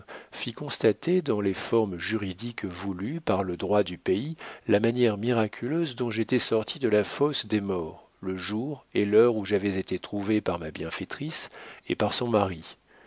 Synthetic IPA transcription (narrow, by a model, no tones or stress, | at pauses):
fikɔ̃st̪at̪ed̪ɑ̃lefɔʁmʒyʁid̪ikvulypaʁləd̪ʁwad̪ypeilamanjɛʁmiʁakʲʰyløzd̪ɔ̃ʒet̪ɛsɔʁt̪ʰid̪əlafosd̪emɔːʁ | ləʒuʁelœʁuʒavɛzet̪et̪χuvepaʁmabjɛ̃fet̪χisḛpaʁsɔ̃maʁi